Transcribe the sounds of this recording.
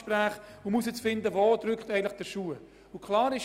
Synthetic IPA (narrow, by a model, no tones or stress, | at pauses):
pɾæːχʊmus̬ɛt͡sfɪndəvodɾʏkχtɛɪɡəntlɪχd̥əʃuə | ʊkʰlɑːɾɪʃ